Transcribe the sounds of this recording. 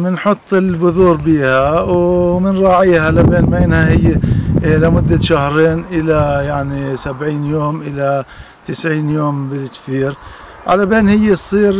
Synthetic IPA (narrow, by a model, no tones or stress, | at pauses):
mɪnħʊt̪ˤːɪlbʊðuːɾbiːhawmɪnɾˤɑːʕiːhalabeːnbeːnhahɪjːɪlamʊd̪ːaʃahɾeːnʔɪlajaʕnisabʕiːnjoːmʔɪla | t̪ɪsʕiːnjoːmbɪlkθiːɾ | ʕalabeːnhɪjːɪsˤːiːɾ